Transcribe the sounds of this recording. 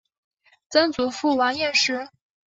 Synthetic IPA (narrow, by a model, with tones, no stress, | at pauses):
t͡sə˥nt͡su˧˥fu˥˩wa˧˥njɛ˥˩nʂɻ̩˧˥